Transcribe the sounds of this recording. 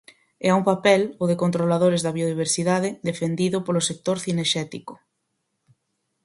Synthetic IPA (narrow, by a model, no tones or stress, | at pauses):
ɛauŋpapɛloðekont̪ɾolaðoɾezðɐβioðiβ̞eɾsiðað̞ɪðefend̪iðʊpolosek̚t̪oɾθineʃɛt̪ikʊ̥